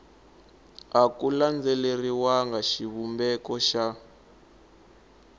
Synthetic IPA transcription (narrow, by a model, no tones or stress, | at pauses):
akuland͡zɛleriwaŋɡaʃiβumbɛkɔʃa